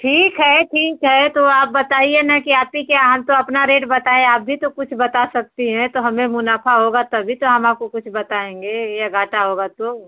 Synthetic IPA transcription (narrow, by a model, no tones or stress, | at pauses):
ʈʰiːkɦɛʈʰiːkɦɛt̪oaːp̚bɐt̪aːienɐkiaːpikjaɦɐmt̪oɐpnaɾeːʈbɐt̪aːẽaːp̚bʱit̪okʊt͡ʃʰbɐt̪asɐk̚t̪iɦɛ̃t̪oɦɐmẽmʊnaːfʰaɦoːɡat̪ɐbʱit̪oɦɐmaːp̚kokʊt͡ʃʰbɐt̪aːẽːŋɡeːjaɡʱaːʈaɦoːɡat̪o